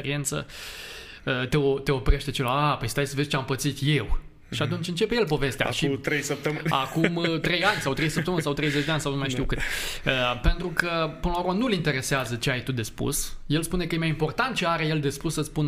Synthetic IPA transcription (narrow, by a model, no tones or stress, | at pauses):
eɾie̞nt̪sə̰ | ət̪e̞ot̪e̞o̞pɾe̞ʃt̪e̞t͡ʃelaapəjst̪ajsəvezt͡ʃeampət̪sit̪je̞w | ʃiat̪unt͡ʃɨnt͡ʃe̞pje̞lpo̞ve̞st̪ea̰ʃit̪ɾejsəp̚t̪əmɨna̰kumt̪ɾe̞janʲsawt̪ɾe̞jsəpt̪əmɨnsawt̪ɾe̞jze̞t͡ʃd̪eanʲsawnumajʃt̪iuwkɨt̪əpe̞nt̪ɾukəpɨnəlauɾmanulint̪e̞ɾe̞seazət͡ʃe̞ajt̪ud̪e̞spṵsje̞lspune̞kəjemajimpo̞rt̪ant̪̚t͡ʃe̞aɾeje̞ld̪e̞spusːəspun